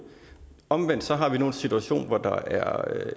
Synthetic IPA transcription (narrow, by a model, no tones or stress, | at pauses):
ɒ̽mʋen̰d̥sɒ̽ɦɑ̈ʋino̝ːn̩sit͡sʰuæɕo̝̰ːnʋɒd̥ɑ̈æɐ